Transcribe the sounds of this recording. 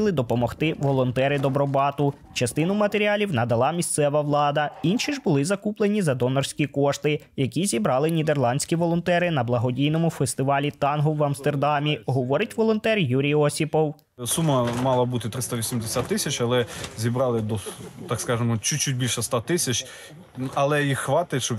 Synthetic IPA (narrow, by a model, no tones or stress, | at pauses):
lˠɪd̪ɔpɔmɔxt̪ɪʋɔlˠɔnt̪ɛɾɪd̪ɔbɾɔbɑt̪ʊ | t͡ʃɐst̪ɪnʊmɐt̪eɾʲiɑlʲiwnɐd̪ɐlˠɑmʲisʲt̪sɛʋɐʋlˠɑd̪ɐinʃʲiʒbʊlˠɪzɐkuplˠenʲizɐd̪ɔnɔrsʲkʲikɔʃt̪ɪ | jɐkʲizʲibɾɑlˠɪnʲid̪e̞rlˠɑnʲsʲkʲiʋɔlˠɔnt̪ɛɾɪnɐblˠɐɦɔdʲijnɔmʊfest̪ɪʋɑlʲit̪ɑnɦɔwʋɐmst̪e̞rd̪ɑmʲiɦɔʋɔɾɪtʲʋɔlˠɔnt̪ɛrjuɾʲijɔsʲipɔw | sumɐmɑlˠɐbut̪ɪt̪ɾɪst̪ɐʋʲisʲimd̪esʲat̪ːɪsʲɐt͡ʃɐlˠɛzʲibɾɑlˠɪd̪ɔt̪ɑkskɑʒɪmɔt͡ʃut͡ʃːut̚ʲbʲilʲʃɛst̪ɑt̪ɪsʲɐt͡ʃʲ | ɐlˠɛjixxʋɑt̪ɪʃɔ